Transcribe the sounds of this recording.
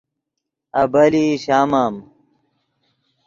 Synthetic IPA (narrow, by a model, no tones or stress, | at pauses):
ɐbɐliɕaːmaːm